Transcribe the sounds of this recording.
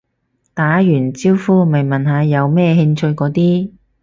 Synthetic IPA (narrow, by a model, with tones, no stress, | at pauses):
t̪aː˨˥jyː˨˩nt͡siː˥wfuː˥mɐ˨jmɐ˨nɦaː˨˧jɐ˨˧wmɛː˥ɦɪ˧ŋt͡ʃʰɵ˧ɥkɔː˨˥t̪iː˥